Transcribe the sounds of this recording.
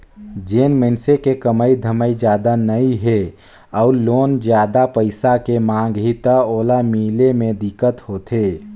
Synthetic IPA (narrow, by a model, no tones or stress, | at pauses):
d͡ʒeːnmənsekekəməid̪ʱəməid͡ʒjaːd̪anəiɦe | ɔʊɾloːnd͡ʒjaːd̪apəɪsakemãːŋɡɦit̪əoːlamilemẽd̪ɪkːət̪hoːt̪ʰeː